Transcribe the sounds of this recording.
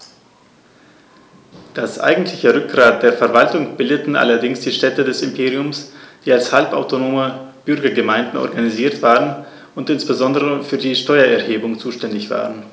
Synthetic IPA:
d̥asʔa̰ɪɡŋ̩tʰlɪçəʁʏk̚ɡ̥ʁaːt̚d̥eːɐfɛɐvaltʊŋb̥ɪldətn̩ʔa̰lɐdɪŋsd̥iːʃtɛtədɛsɪmpʰeːʁiʊmsd̥iːalshalpa̰ʊtonoːməb̥ʏɐɡɐɡəmaɪ̃ndn̩ʔɔ̰ɐɡaniziːɐtv̥aːʁən | ʊntʔɪnsb̥əzɔndəʁəfyːɐdiːʃtɔʏɐʔɛɐheːbʊŋt͡suːʃtɛndɪçv̥a̰ːʁən

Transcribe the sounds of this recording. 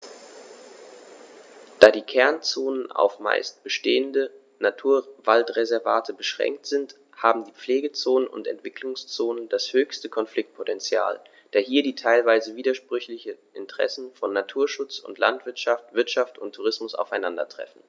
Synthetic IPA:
d̥aːdiːkʰɛɐnt͡soːnəna̰ʊfma̰ɪst̚b̥əʃteːəndə | natʰuːɐvaltʁezɛɐvaːtʰəbəʃʁ̥ɛ̰ŋk̚tz̥ɪnt | haːbm̩diːp͡fleːɡət͡soːnənʊ̰ntɛ̰ntv̥ɪkʰlʊŋst͡soːnəndashøːçstəkʰɔnflɪk̚t̚pʰotɛnt͡sja̰ːl | d̥aːɐɦiːɐdiːtʰaɪlvaɪzəviːdɐʃpʁ̥ʏçlɪçənʔɪntə̥ʁ̥ɛ̰sn̩fɔnːatʰuːɐʃʊt͡sʊ̰ntʰla̰ntv̥ɪɐtʃaftv̥ɪɐtʃaftʊntʰːuʁ̞ɪsmʊsa̰ʊfaɪnandɐ̰tʁ̥ɛ̰fn̩

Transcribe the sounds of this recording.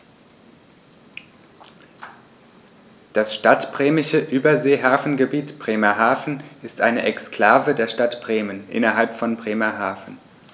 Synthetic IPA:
d̥asʃtatb̥ʁeːmɪʃəʔyːbɐzeːɦaːfn̩ɡəbiːtb̥ʁ̥eːmɐɦaːfn̩ɪstʔa̰ɪnəʔɛkskl̥aːvədeːɐʃtatb̥ʁeːmənʔɪ̰nɐɦalpfɔnbʁeːmɐɦaːfn̩

